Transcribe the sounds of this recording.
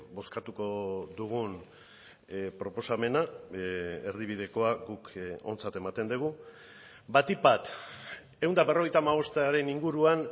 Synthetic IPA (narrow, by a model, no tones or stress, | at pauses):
bo̞skat̪uko̞ðuɣ̞un | pɾo̞po̞same̞na | eɾðiβið̞e̞ko̞aɡuko̞nt͡sat̪e̞mat̪e̞nd̪eɣ̞u | bat̪ipat̪ | e̞wnd̪aβero̞ɣe̞jt̪amaβ̞o̞st̪aɾe̞niŋɡuɾuan